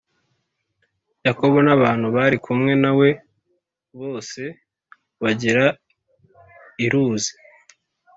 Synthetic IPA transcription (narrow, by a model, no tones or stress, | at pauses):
jako̞βonaβaːn̥huβaɾikʰumŋe̞nawe̞ | βo̞ːse̞ | βaɟiɾa | iɾuːzi̥